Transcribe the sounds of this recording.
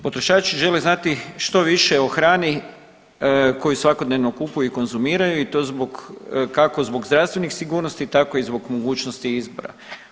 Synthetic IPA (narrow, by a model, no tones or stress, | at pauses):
po̞t̪ɾo̞ʃaːt͡ʃiʒe̞leznat̪iʃt̪o̞ʋiʃeo̞xɾaːni | ko̞jusʋako̞d̪neʋno̞kupujuiko̞nzumiːɾajuit̪oːzboɡkako̞zbo̞ɡzd̪ɾast̪ʋe̞nixsiɡuːɾnost̪it̪ako̞izboɡmoɡuːt͡ʃnost̪iizbo̞̰ɾa̰